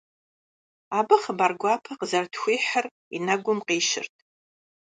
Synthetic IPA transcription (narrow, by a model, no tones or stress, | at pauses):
abɨχəbarɡʷaːpʰɐqəzartʰxʷiːħər | ḭnaɡʷʊmqiːʃɪ̰rtʼʰ